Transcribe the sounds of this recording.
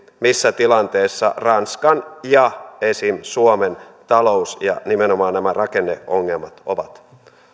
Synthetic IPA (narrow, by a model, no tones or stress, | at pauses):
misːæt̪ilɑnt̪eːsːɑ̰rɑnskɑnjɑesimsuoment̪ɑlousjɑ̰nimenomɑːnnæmærɑkenːeʔoŋːelmɑt̪oʋɑt̪